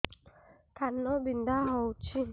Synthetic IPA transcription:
kʰanɔbindaɦɔut͡ʃi

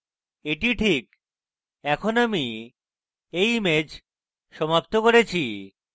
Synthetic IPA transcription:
eʈiʈʰik | ɛkʰonami | ejmed͡ʑ | ʃɔmap̚t̪okoɾet͡ɕʰi

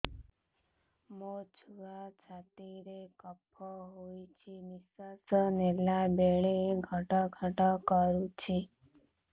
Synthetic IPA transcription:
mod͡ʒʰʱuat͡ʃʰat̪iɾekəpʰːɔɦojt͡ʃʰimisasənelabeɭeɡʱəʈɔɡʱəʈɔkəɾut͡ʃʰi

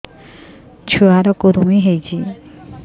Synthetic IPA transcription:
t͡ɕʰuaɾɔkoɾumiɦejt͡ɕʰi

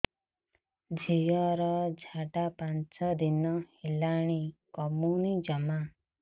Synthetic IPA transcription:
d͡ʒʱijɔɾɔd͡ʒʱaʈapant͡sʰɔd̪inɔhilaɽ̃ikɔmunid͡ʒʌma

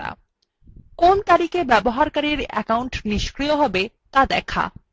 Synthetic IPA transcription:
a̰ | kont̪aɾikebɛboɦaɾkaɾiɾɛ̰kawɳʈniʃkɾijoɦɔbe | t̪ad̪ɛkʰa̰

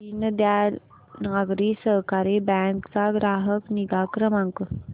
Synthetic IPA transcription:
inəd̪jal | naɡɾiːsəɦkaɾebɛ̃ŋkt͡saɡɾaɦəkniɡakɾəmãŋkə

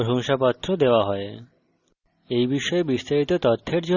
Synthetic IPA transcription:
ɾɦuŋʃapat̪ːɾod̪eoaɦɔe | ejbiʃɔebist̪aɾit̪ot̪ot̪ʰːeɾd͡ʑo

